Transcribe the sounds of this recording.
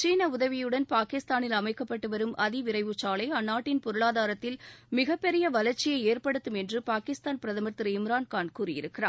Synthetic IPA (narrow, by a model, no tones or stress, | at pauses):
t͡ʃiːnɐʊðɐʋɪjɯɽɐnpaːkɪst̪aːnɪlɐmɐɪkːɐpːɐʈːɯʋɐɾɯmʔɐðɪʋɪɾɐɪʋɯt͡ʃaːlɐɪɐnːaːʈːɪnpɔɾɯɭaːðaːɾɐt̪ːɪlmɪɣɐpːɛɾɪjɐʋɐlɐɾt͡ʃːɪjɐɪeːrpɐɽɯt̪ːɯmɛndrɯpaːkɪst̪aːnpɪɾɐðɐmɐɾt̪ɪɾɯɪmɾaːnkaːnkuːɾɪjɪɾɯkːɪra̰ː